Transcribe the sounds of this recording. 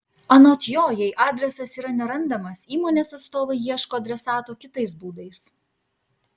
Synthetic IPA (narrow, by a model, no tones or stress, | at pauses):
ɐnoːt̪joːjɛɪʔɑːd̪ʲɾʲɛsɐsiːɾɐnʲɛɾɐnd̪ɐmɐsiːmoːnʲeːsɐt̪st̪oːʋɐɪjiɛʃkoːɐd̪ʲɾʲɛsɑːt̪oːkʲɪt̪ɐɪsbuːd̪ɐɪs